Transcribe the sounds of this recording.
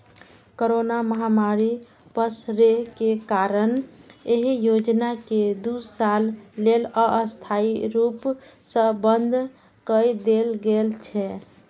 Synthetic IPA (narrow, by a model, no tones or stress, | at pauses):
koɾonaməɦamaɾi | pəsɾekekaɾəneɦijod͡ʒnaked̪usalːeləʔəst̪ʰaiɾup | səbənd̪ʱ | kəjd̪elɡelt͡ʃʰɛ